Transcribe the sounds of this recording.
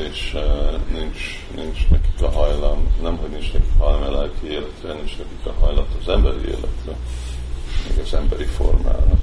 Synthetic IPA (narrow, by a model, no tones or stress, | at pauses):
eːʃnint͡ʃ | nint͡ʃnɛki̥kɒɦɒjlɒmnɛmɦo̞ɟnint͡ʃnɛki̥kɦɒjlɒmɛlɛːkieːlɛt̪rɛnint͡ʃnɛkikɒɦɒjlɒt̪ɒzɛmbɛɾiḛːlɛt̪rɛ | mɛ̰ɡɒzɛmbɛɾifo̞̰rma̰ːl